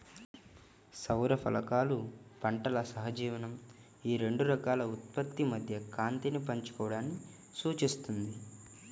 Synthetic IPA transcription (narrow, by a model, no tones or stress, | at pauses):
sɐwɾɐpʰɐ̰lɐkaːlupɐɳʈɐlɐsɐɦɐd͡ʒiːʋɐnɐm | iːɾe̞ɳɖuɾɐkaːlɐut̪̚pɐt̪ːimɐd̪ʱjɐkaːnt̪inipɐɲt͡ʃu̥kɔːʋɐɽaːnːi | suːt͡ʃist̪und̪i